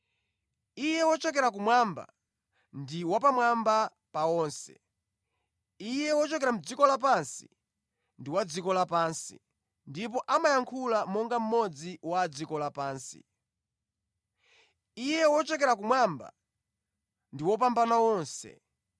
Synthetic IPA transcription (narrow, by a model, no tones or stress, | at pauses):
ijɛwɔt͡ʃɔk̬ɛɾak̬umwamba̰ | ndiwapamwamba | pawɔːnsɛ̰ | ijɛwɔt͡ʃɔkɛɾam̩d͡zikɔlap̬ansi̥ | ndiwad͡zikɔlapaːnsḭ | ndip̬ɔʔamajaŋkʰulamɔŋɡam̩mɔd͡ziwad͡zikɔlapaːnsḭ | ijɛwɔt͡ʃɔkɛɾak̬umwamba̰ | ndiwɔp̬ambanawɔːnsɛ̰